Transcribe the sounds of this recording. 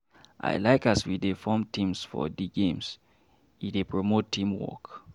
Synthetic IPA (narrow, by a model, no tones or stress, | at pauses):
ʔa̰ɪlaɪkaswidefɔ̃mtʰĩmsfɔ̰diɡẽms | idepɹomottʰːĩmwɔ̰k